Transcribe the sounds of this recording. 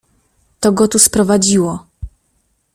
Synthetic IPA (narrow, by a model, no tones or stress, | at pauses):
t̪ɔɡɔt̪uspɾɔvad͡ʑiwɔ